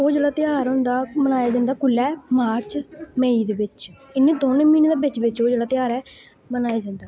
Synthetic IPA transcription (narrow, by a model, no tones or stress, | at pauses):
oːd͡ʒeːɽaːt̪ɪjaːɾõnd̪aːmənaːjaːd͡ʒãːnd̪aːkʊlːɛːmaːɾt͡ʃməiːd̪eːʋɪt͡ʃɪnːẽːd̪oːneːmiːneːd̪aːbɪt͡ʃʋɪt͡ʃoːd͡ʒeːɽaːt̪ɪjaːɾɛː | mənaːjaːd͡ʒãːnd̪aː